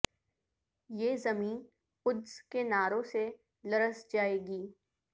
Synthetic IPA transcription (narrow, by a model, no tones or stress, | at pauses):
jeːzɐmiːn | ʊd̪zkenaːɾõse | lɐɾəsd͡ʒaːeːɡiː